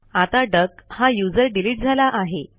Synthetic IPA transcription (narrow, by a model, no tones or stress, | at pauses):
at̪aɖəkhajud͡zəɾɖiliːʈ̚d͡zʱalaʔaɦe